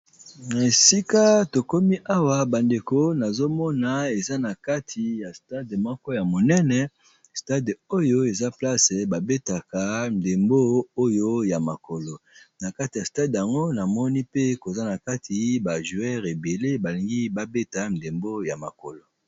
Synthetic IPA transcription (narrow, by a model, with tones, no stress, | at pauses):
na˨e˨si˦ka˦to˨ko˦mi˦ʔa˦wa˨ba˨nde˨ko˦na˨zo˦mɔ˦na˨e˨za˦na˨ka˦tʰi˨ja˨sta˦dmɔ˦kɔ˦ja˨mo˨nɛ˦nɛ˨ | sta˦do˦jo˦e˨za˦pla˦se˨ba˨be˦ta˨ka˨n˨de˨mbo˦o˦jo˦ja˨ma˨ko˨lo˨na˨ka˦ti˨ja˨sta˦dja˨ŋɡo˦na˨mɔ˦ni˦pe˦ko˨za˦na˨ka˦tʰi˦ba˨ʒu˨ɛ˦ʁe˨be˨le˦ba˨li˨ŋɡi˦ba˦be˦ta˨˦n̩˨de˨mbo˦ja˨ma˨ko̰˨lo˨